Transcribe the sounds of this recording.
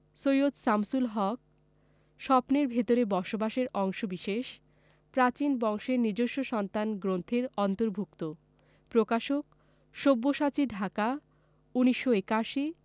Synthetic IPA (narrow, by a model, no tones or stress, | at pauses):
sojod̪samsulɦɔk̚ | ʃɔpneɾbʱet̪oɾebɔɾʃobaʃeɾɔŋʃobiʃeʃ | pɾat͡ɕinbɔŋʃeɾniɾd͡ʑoʃːoʃɔnt̪anɡɾont̪ʰeɾɔnt̪oɾbʱuk̚t̪o | pɾokaʃok̚ | ʃobːoʃat͡ɕiɖʱaka | uniʃːoekaʃi